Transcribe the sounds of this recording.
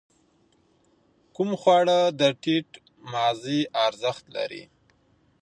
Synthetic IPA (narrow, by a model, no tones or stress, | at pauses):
kumxwɑɽəd̪əʈiʈ | mɑziɑɾzəxt̪la̰ɾḭ